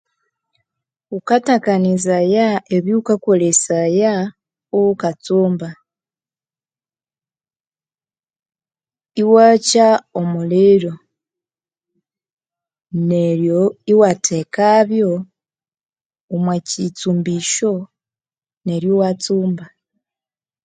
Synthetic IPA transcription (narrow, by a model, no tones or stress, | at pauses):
ukatakanizajaeβjukakolesaja | oβukat͡suːmba | iwacaomuliɾo | neɾjoiwatʰe̞kaβjo̞ | mwecit͡suːmbiʃo̞ | ne̞ɾjowat͡suːmba